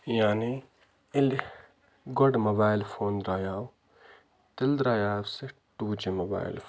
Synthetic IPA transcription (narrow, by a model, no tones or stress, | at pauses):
jaːni | ɪl | ɡɔɖmɐbaːɪlfʰoːnd̪ɾaːjaːw | t̪ɪld̪ɾaːjaːwseʈuːd͡ʒimɐba̰ːɪ̰l